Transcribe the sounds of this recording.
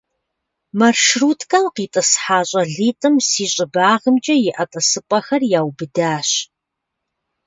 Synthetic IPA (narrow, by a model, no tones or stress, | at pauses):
mɐrʃruːtʰkʰɐmqiːtʼɨsħaːɕʼɐɮiːtʼɨmsiːɕʼɪbaːʁəmt͡ʃʼɐjɪʔɐtʼɐsɨpʼɐxɐrjaːwbɨdaːɕ